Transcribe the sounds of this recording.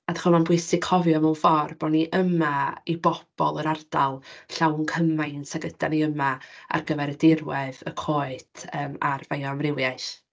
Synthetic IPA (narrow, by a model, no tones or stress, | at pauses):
adaχɔmanbwɪjsɪkʰɔvjɔmunfɔrb̥ɔniʔəmaibɔb̥ɔlˠəɾard̥alˠɬawnkʰəmajnsaɡəd̥aniəmaa̰rɡəvɛɾədɪrwɛðəkʰoːɨd̥əːma̰rvajɔmrɪwjajʃ